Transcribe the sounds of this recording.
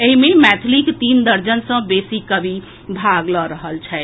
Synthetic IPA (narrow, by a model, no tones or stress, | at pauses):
eɦimemɛt̪ʰlikt̪ind̪əɾd͡ʒənsə̃besikəbʱi | bʱaɡlɔɾəɦəlt͡ʃʰɛɪ